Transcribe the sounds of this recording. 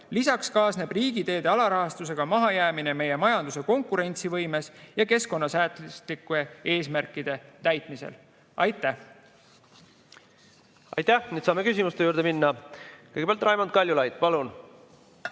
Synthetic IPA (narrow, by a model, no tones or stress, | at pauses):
lisɑkskɑːsne̞briːɡ̥id̪e̞ːd̪̥e̞ɑlɑɾɑɦɑst̪us̬e̞ɡ̥ɑmɑɦɑjæːmine̞me̞je̞mɑjɑnd̪̥use̞ko̞ŋkuɾe̞nʲt̪sivɤjme̞sjɑke̞sko̞nːɑsæːt̪lslikːuee̞ːsmærkːˑid̪̥e̞t̪æjt̪ˑmisḛl | ɑjt̪ːˑæh | ɑ̰jt̪æniːd̪sɑːmekysʲimust̪euːɾd̪eminːɑkɤjɡe̥eɑlt̪ːrɑjmond̪̚kɑlʲːjulɑjd̪̥pɑlun